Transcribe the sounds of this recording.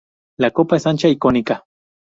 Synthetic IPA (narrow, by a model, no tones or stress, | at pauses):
lakopaesant͡ʃaikonika